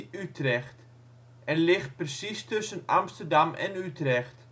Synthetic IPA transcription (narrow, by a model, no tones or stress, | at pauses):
ytrɛxt | ʔɛnlɪxt̚prəsistɵsənɑ̰mstərdɑmʔɛ̰nytrɛxt